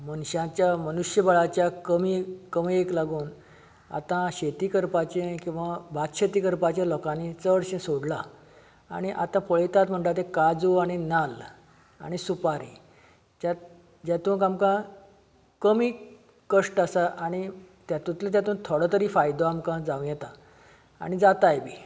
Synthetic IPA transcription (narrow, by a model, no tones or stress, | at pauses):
mənɕãt͡ɕjamənuɕjəbəɭat͡ɕjakəmikəmieklaɡuːn | a̰t̪ãɕet̪iːkəɾpat͡ɕẽkĩw̃ʋabʱat̪ɕet̪iːkəɾpat͡ɕjalɔkanit͡səɽɕẽsoɽla | a̰ɽ̃iʔat̪ãfəɭet̪at̪m̤əɳʈ̪at̪ekad͡zuaɽ̃inal | a̰ɽ̃isupaɾḭ | d͡ʑa | d͡ʑat̪ũːnkamkã | kəmiː | kəʂʈasaʔaɽ̃i | t̪jat̪ũt̪lət̪̬jat̪ũːnt̪ʰoɽət̪əɾiːfajd̪oamkãd͡zaʋũjɛt̪a | a̰ɽ̃id͡zat̪ajbʱi